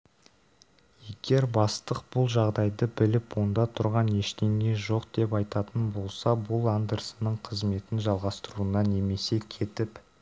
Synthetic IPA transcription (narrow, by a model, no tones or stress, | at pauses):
je̞ɡʲe̞ɾbɑst̪əq̚b̥ʊlˠʒɑʁd̪ɑjd̪əbɪlɪpwo̞nd̪ɑt̪ʰʊɾʁɑne̞ʃt̪e̞ŋe̞ʒo̞qd̪̥e̞pɑjt̪ɑt̪ənbo̞lˠsɑbʊlˠɑnd̪əɾsənəɴqʰəzme̞t̪ɪnʒɑlˠʁɑst̪əɾuənɑne̞me̞se̞kʲʰe̞t̪ɪp